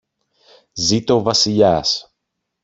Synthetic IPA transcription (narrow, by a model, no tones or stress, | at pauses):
zit̪ovasiʎas